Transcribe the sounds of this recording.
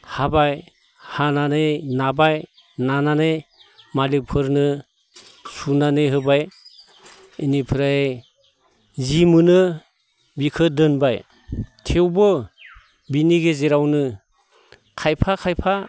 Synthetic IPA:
habaj | hananejnabaj | nananɯjmalik̚pʰɯɾnɯ | sunanɯɦɯbaj | inipʰɯɾae | zimɯnɯ | bikʰɯdɯnbaj | tʰewbɯ | biniɡezeɾawnɯ | kʰajpʰakʰajpʰa

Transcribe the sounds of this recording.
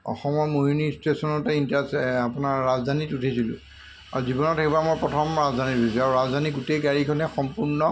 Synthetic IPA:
ɔ̰xɔmɔmojunistesɔnɔtɛintasapunaɹːazdʱanitutʰesilʊ̰̃ | a̰ɹuzibɔnɔtɛkbamojpɹɔtʰɔmɹazdʱanitutʰisɛaɹuɹazdʱaniɡutejɡaɹikʰɔnɛxɔmpuɹnɔ

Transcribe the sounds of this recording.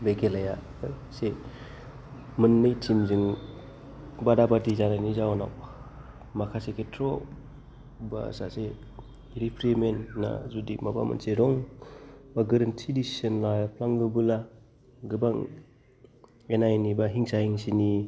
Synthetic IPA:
bekʰelaja | j | se | mɯnːɯjtʰimzɯŋ | badabadizanajnizawna̰w | makʰaseketʰɾɔ | ba̰sase | ɾipʰɾemenːa̰zudimaba̰mɯ̰nseɾɔŋ | baɡɯɾɯntʰidissenlajapʰlaŋɡɯbɯla | ɡɯbaŋ | enajnibaɦiŋsahiŋsini

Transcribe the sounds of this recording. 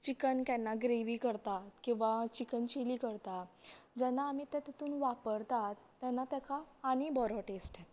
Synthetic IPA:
t͡ɕikənkjɛnːaɡɾeʋiːkəɾt̪at̪kĩw̃ʋat͡ɕikənt͡ɕiliːkəɾt̪ad͡ʑɛnːaːmit̪ɛt̪ɛt̪uːnʋapəɾt̪at̪ːjanːat̪jɛkʰaːñibɔɾɔʈesʈɛt̪

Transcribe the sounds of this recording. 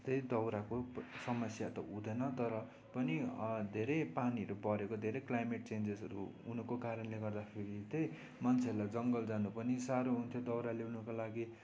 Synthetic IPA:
t̪ʌjd̪ʌwɾakosʌmʌsjat̪ʌud̪ʌnʌt̪ʌɾʌ | pʌnid̪ʱeɾʌjpaniʌɾupʌɾekod̪ʱeɾʌjklajmeʈ̚t͡send͡zesʌɾṵunukokaɾʌnleɡʌrd̪apʰeɾit̪ej | mʌnt͡sʰeʌɾlad͡zʌŋɡʌld͡zanupʌnisaɾoɦunt̪ʰjod̪ʌwɾaleunukalaɡi

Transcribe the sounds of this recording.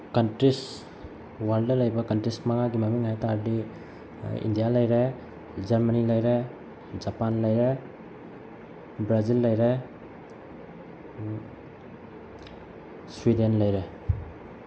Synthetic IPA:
kɐntɾis | waldɐlɐjbɐkɐntɾismɐŋaɡimɐmiŋɦajtaɾdi | ḭndijalɐjɾe | d͡ʒɐɾmənilɐjɾe | d͡ʒapanlɐjɾe | bɾazilːɐjɾe | swidenlɐjɾe

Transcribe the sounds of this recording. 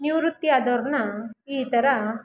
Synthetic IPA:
njuɾut̪ːiad̪ɔɾnait̪əɾa

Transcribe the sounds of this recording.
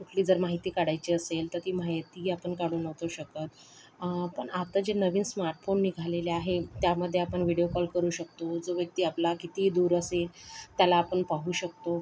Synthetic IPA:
kuʈʰliːd͡zəɾmaɦit̪iːkaɽajt͡ɕiːəselt̪əɾt̪iːmaɦit̪iapəɳkaɽuːnəʋt̪oɕəkət̪ | pəɳat̪ad͡ʑenəʋiːnsmaɾʈfonːiɡʱaleleaɦet̪jaməd̪ʱːjeapəɳʋiɽiokɔlkəɾuːɕək̚t̪od͡zoʋjək̚t̪iːaplakit̪iːd̪uːɾəselt̪jalaːpəɳpaɦuːɕək̚t̪o

